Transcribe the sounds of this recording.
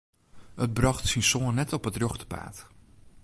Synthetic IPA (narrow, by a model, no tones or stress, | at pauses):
ət̚brɑχtsinsoːnːɛtɔpətrøχtə̥pa̰ːt